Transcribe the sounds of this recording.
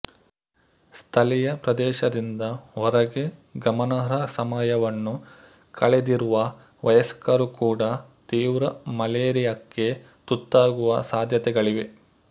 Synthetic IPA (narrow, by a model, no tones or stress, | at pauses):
st̪ʰɐlijɐpɾɐd̪ɛːʃɐd̪ind̪ɐɔɾɐɡeɡɐmɐnɐɾɐsɐmɐjɐʋɐnːu | kʰɐɭed̪iɾuʋɐ | ʋɐjɐskɐɾukuːɽɐt̪iːʋɾɐmɐleːɾijɐkːe̞ | t̪ut̪ːaːɡuʋɐsaːd̪ʱjɐt̪ɛɡɐɭiʋe̞